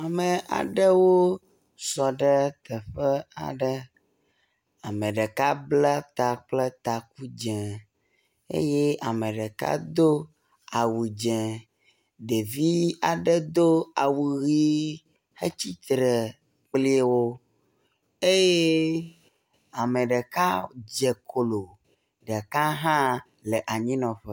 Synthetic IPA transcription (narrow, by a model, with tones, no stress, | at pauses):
a˨mə̃˨ʔa̰˨ɖə˦wo˦ | sɔ˨ɖə˦t̪ə˨ɸə˦a̰˨ɖə˦ | a˨mə˨ɖə˨ka˦bla˦t̪a˨k͡plə˦t̪a˨k̚u˦d͡ʒɛ̃˨ | ḛ˦je˦a˨mə˨ɖɛ˨ka̰˦d̪o˦ | a˨wu˨d͡ʒɛ̃˨ | d̪e˨vi˦a˨ɖe˦d̪o˦a˨wu˨ɣi˦ | he˦t͡ɕi˦t̪ɾɛ˨ | k͡pli˦wo˦ | e˦je˦ | a˨me˨ɖɛ˨ka˦d͡ʒɛ˨kʰo˨lo˨ | ɖɛ˨ka˦ɦã˦ | le˨ʔa˨ɲĩ˦nɔ̃˨ɸɛ˦